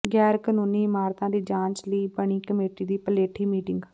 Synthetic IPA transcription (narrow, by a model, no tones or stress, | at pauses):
ɡɛːɾkənuːniːɪmaːɾt̪ãːd̪iːd͡ʒãːɲt͡ʃləiːbəɳ̃iːkəmeːʈiːd̪iːpəleːʈʰːiːmiːʈɪŋɡ